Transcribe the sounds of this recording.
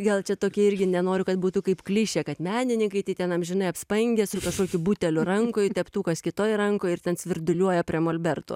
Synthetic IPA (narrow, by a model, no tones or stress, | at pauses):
ɡɐlˠt͡ʃʲɛt̪oːkʲiɛɪɾʲɡʲɪnʲɛnoːɾʲʊkɐt̪̚buːt̪ʊkɐɪpklʲiʃʲɛkɐt̪mʲæːnʲɪnʲɪŋkɐɪt̪ɐɪt̪ʲɛnɐmʒʲɪnɐɪɐpspɐŋʲɡʲɛsʊkɐʃkoːkʲʊbuːt̪ʲɛlʲʊrɐŋkoːjtʲɛpt̪uːkɐskʲɪt̪oːjrɐŋkoːjɪrt̪ʲɛnsʲʋʲɪrd̪ʊlʲuɔjɛpʲɾʲiɛmoːlʲbʲɛrt̪o̰ː